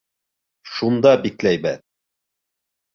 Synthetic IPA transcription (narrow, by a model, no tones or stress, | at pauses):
ʃund̪ɑbiklæjbæð